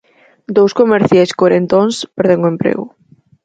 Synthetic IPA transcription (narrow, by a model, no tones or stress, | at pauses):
d̪owskomeɾθjajskoɾent̪onspɛɾðeŋoempɾḛɣʊ̰